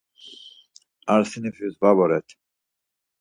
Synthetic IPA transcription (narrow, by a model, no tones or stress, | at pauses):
aɾsinifizvabɔɾɛt̪ʰ